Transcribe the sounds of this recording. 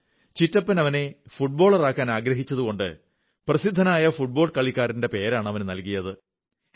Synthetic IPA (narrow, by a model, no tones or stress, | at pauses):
t͡ɕitːɐpːɐnɐʋɐne̞fuʈ̚bo̞ːɭɐraːkːaːnaːɡɾɐɦit͡ɕːɐðuɣo̞ɳɖɨ̰ | prɐsid̪ʱːɐnaːjɐfuʈ̚bo̞ːɭkɐɭikʲːaːɾinde̞pe̞ːɾaːɳɐʋɐnnɐlkijɐðɨ